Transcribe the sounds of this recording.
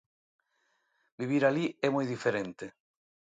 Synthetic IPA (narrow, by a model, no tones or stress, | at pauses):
biβ̞iɾaliɛmɔjðifeɾent̪e